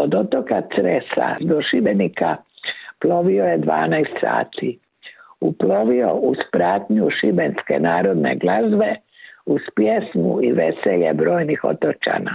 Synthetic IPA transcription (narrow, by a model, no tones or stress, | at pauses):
od̪o̞t̪okat̪sɾesa̰d̪oʃibenikʰaplo̞ʋiojed̪ʋa̰ːnajst̪sa̰ːt̪ʰi | uplo̞ʋio̞̰ʔuspɾaːt̪ɲuʃibenske̞̰naːɾo̞d̪ne̞̰ɡlazʋe̞ | uspjesmṵiʋeseʎḛbɾo̞ːjnixo̰t̪ot͡ʃa̰ːna